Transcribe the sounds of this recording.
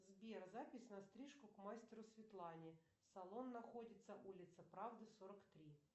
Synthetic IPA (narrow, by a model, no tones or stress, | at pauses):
zbʲerzapʲɪsʲnɐst̪ɾʲiʂkʊkmasʲtʲɪɾʊsvʲɪt̪lˠanʲɪ | sɐlˠo̞nːɐxodʲɪt̪səʔulʲɪt̪səpɾavd̪ɨsoɾəkt̪ɾʲi